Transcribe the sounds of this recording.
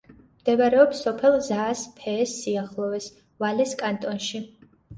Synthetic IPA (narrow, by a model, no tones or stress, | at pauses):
md̪ɛvaɾɛɔpsɔpʰɛlˠzaːspʰɛːsːiaχlˠɔvɛs | valɛskʼant̪ʼɔnʃi